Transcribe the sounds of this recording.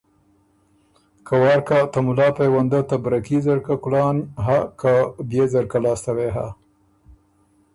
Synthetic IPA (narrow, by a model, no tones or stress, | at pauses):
kʰawɑːɾkat̪amʊlɑːpajwand̪at̪abɾakizaɾkakʊlɑːnɦakabjezaɾkalɑːst̪aweɦa̰